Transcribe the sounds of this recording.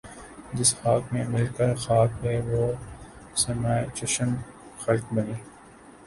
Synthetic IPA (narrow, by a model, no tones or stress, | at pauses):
d͡ʒɪsxaːkmẽmɪlkəɾxaːkɦeʋo | sɐmat͡ʃɐʃən | xɐlkbɐniː